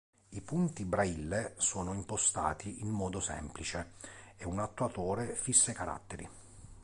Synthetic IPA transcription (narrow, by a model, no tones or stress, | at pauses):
ipunt̪ibɾailːesoːnoimpost̪a̰ːt̪iinmɔːd̪osɛ̰mplit͡ʃeɛunat̪ːwat̪oːɾefisːekaɾa̰t̪ːeɾḭ